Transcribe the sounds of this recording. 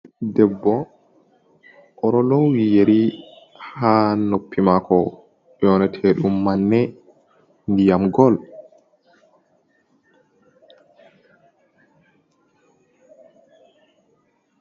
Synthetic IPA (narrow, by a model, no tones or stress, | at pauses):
dɛbːɔ | ʔɔɾɔlɔwwijeɾi | hanopːimakɔ | jɔnɛtʰɛːɗumːanːɛ | ndijamɡɔl